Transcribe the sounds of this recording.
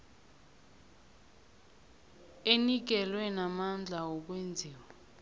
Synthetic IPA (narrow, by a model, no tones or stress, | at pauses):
enik̬ɛlwɛnamand͡ɮʱaɔk̬wend͡zʱiːwa